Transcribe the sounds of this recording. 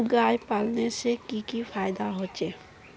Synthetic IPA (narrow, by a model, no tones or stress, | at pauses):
ɡajpalnesekikifʰajd̪aɦot͡ʃe